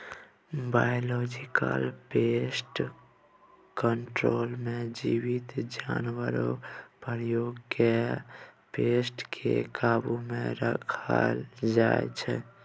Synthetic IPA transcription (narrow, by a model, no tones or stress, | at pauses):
bajolɔd͡ʒikə̰lpesʈ | kəɳʈɾolmed͡ʒiwit̪d͡ʒanwəɾopəɾjoɡkʰe | pesʈkʰekaːbumeɾəkʰəld͡ʒaḛt͡ʃʰɛ